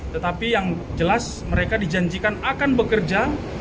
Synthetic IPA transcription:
t̪ət̪apijaŋ | d͡ʒəlas | məɾekadid͡ʒaɲd͡ʒikanakanbəkərd͡ʒa

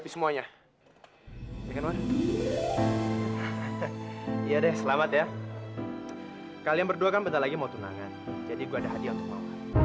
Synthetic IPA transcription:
pisəmuaɲa | jakanwan | jadɛhsəlamat̪ja | kalijaŋbərduakanbənarlaɡimaut̪una̰ŋand͡ʒadiɡuaːdaɦadiaunt̪ʊk̚ma̰ua

